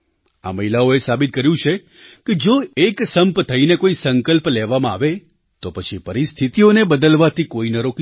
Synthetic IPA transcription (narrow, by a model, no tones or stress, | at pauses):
a̰məɦilaoesabit̪̚kəɾjũt͡ʃʰe | ked͡ʒoeksəmpt̪ʰəinekoisəŋkəlpleʋamãaʋe | t̪opət͡ʃʰipəɾist̪ʰit̪ionebəd̪əlʋat̪ʰikoinəɾok